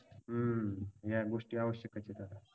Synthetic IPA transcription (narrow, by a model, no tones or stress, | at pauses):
ɦəjaɡoʂʈiːaʋəɕjəkat͡ɕet̪aɾa